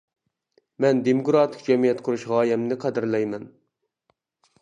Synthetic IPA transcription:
mɛnd̪emoɡɾɑt̪ʰɨ̥k̚d͡ʒɛmijɛt̪qʰʊɾuʃʁɑːjɛmnɪqʰæd̪ɨɾlɛjmɛn

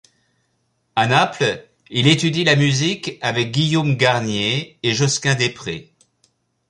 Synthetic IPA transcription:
anapl | ilet̪yd̪ilamyzikavɛk̚ɡʲijomɡaʁnjeːʒɔskʲɛ̃d̪epχḛ

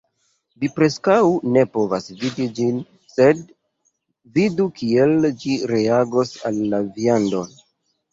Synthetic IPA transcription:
vipɾe̞skawne̞po̞vasvidid͡ʒin | se̞d | vidukʰie̞ld͡ʒiɾe̞aɡo̞sa̰lːaviando̞n

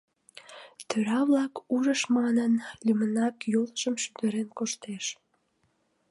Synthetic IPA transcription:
t̪øɾɑβlɑkuʒəʃmɑnənlymənɑkjoləʒəmʃyd̪əɾenkoʃt̪eʃ

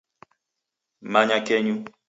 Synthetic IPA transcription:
maɲakɛɲu

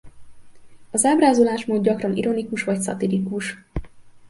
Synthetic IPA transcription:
ɒzaːbraːzolaːʃmoːd̪̚ɟɒkrɒnḭɾʔo̞nikuʃʋɒcsɒ̰t̪ilikuʃ

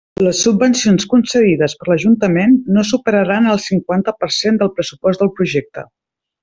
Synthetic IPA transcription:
ləsːubbənsionskunsəðiðəspəɾləʒunt̪əmenːosupəɾəɾanəlˠsiŋkwant̪əpəɾsend̪əlˠpɾəsupɔszd̪əlˠpɾuʒɛk̚t̪ə̰

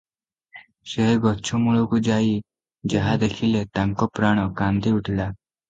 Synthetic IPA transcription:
ɕeɦɡʱɔtːʰɔmuɭokud͡ʑai | d͡ʑəɦad̪ekʰilet̪ãŋkɔpɾaɽ̃ɔkãnd̪ʱiuʈʰla

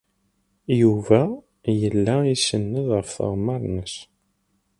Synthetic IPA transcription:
juvæ | jəlːæisənːəðʁəfθə̰ʁmɑɾˤnəs

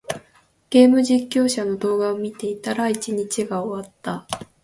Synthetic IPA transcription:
ɡ̥e̞ːmɯ̟ʑikʲːo̞ːɕano̞d̪o̞ːɡaomʲit̪e̞it̪aɾait͡ɕiɲ̟it͡ɕiɡaoβat̪ːa

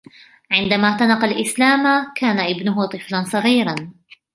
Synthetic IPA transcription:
ʕɪnd̪amaːt̪anɑqɑlʔɪslaːmakʰaːnaʔɪbnʊɦʊt̪ˤɨflansˤɑɣiːɾɑn

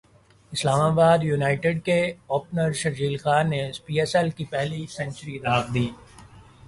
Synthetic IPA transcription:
ɪslaːmaːbaːd̪junaːɪʈɪɖkeɔːpnəɾʃɐɾd͡ʒiːlxaːnːeɪspiːɛsɛlkipɛɦlisɛ̃nt͡ʃəɾid̪aːkd̪iː

